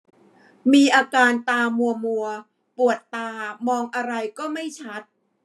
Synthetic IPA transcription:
miː˧ʔaː˧kaː˧nt̪aː˧mu˧ɐmu˧ɐ | pu˨˩ət̪ːaː˧mɔː˧ŋʔa˧ɾa˧jkɔː˥˩ma˥˩jt͡ɕʰa˦˥t̪̚

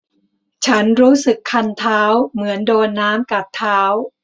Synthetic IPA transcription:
t͡ɕʰa˦˥nɾuː˦˥sɯ˨˩kʰːa˧nt̪ʰaː˦˥wmɯ˩˦əndoː˧nːaː˦˥mka˨˩p̚t̪ʰːaː˦˥w

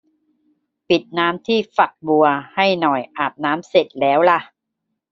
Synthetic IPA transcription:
pi˨˩t̪̚naː˦˥mt̪ʰiː˥˩fa˨˩k̚bu˧ɐha˥˩jnɔ˨˩jʔaː˨˩p̚naː˦˥mse˨˩t̪̚lɛː˦˥wla˧˩ʔ

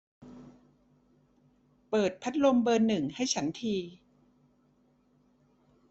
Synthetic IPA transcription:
pɤː˨˩t̪̚pʰa˦˥t̪̚lo˧mbɤː˧nːɯ˨˩ŋha˥˩jt͡ɕʰa˦˥nt̪ʰiː˧

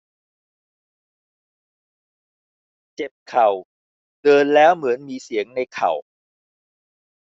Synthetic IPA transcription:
t͡ɕe˨˩p̚kʰa˨˩w | dɤː˧nlɛː˦˥wmɯ˩˦ənmiː˧si˩˦əŋna˧jkʰa˨˩w

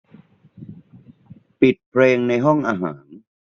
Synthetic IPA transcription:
pi˨˩t̪̚pʰɾeː˧ŋna˧jɦɔ˥˩ŋʔaː˧ɦa̰ː˩˦n

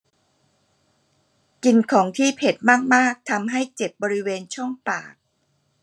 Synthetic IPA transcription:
ki˧nkʰɔː˩˦ŋt̪ʰiː˥˩pʰe˨˩t̪̚maː˥˩k̚maː˥˩k̚t̪ʰa˧mɦa˥˩jt͡ɕe˨˩p̚bɔː˧ɾi˦˥weː˧nt͡ɕʰɔ˥˩ŋpa̰ː˨˩k̚

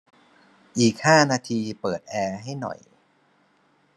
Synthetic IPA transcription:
ʔiː˨˩k̚haː˥˩naː˧t̪ʰiː˧pɤː˨˩t̪̚ʔɛː˧ɦa˥˩jnɔ̰˨˩j

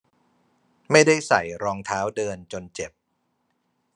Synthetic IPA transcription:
ma˥˩jda˥˩jsa̰˨˩jɾɔː˧ŋt̪ʰaː˦˥wdɤː˧nt͡ɕo˧nt͡ɕe˨˩p̚

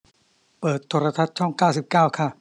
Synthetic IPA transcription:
pɤː˨˩t̪ʰːoː˧ɾa˧t̪ʰa˦˥t̪̚t͡ɕʰɔ˥˩ŋkaː˥˩wsi˨˩p̚kaː˥˩wkʰa˥˩ʔ

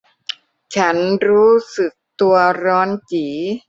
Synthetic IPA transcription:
t͡ɕʰa˦˥nɾuː˦˥sɯ˨˩k̚t̪u˧ɐɾɔː˦˥nt͡ɕiː˩˦

